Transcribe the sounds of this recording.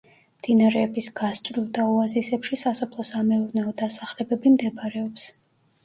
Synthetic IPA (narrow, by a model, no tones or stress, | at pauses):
md̪̥inaɾɛːbisɡ̥ast̪ʼɾivˠd̪auazisɛpʃisasɔpʰlˠɔsamɛuɾnɛɔd̪asaχlɛbɛbimd̪ɛbɾɛɔps